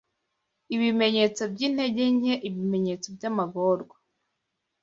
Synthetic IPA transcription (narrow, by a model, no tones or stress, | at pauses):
iβime̞ɲe̞t͡so̞bɟiːn̥he̞ɟeɲeʔiβime̞ɲet͡sobɟamaɡoɾɡwa